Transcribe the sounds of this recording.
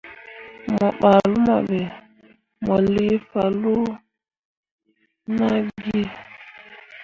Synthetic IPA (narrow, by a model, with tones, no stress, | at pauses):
mɔ˨ɓa˨lu˦ma̰˨ɓɛ˨ | mɔ˨li˦fa˨lu˦ | na˦ɡi˦